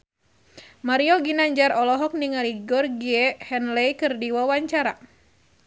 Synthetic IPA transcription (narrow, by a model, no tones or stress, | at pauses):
maɾiɔɡinaɲd͡ʒaɾɔlɔɦɔk̚niŋaliɡɔrɡiɛhɛnlɛjkɨrdiwawaɲt͡ʃaɾa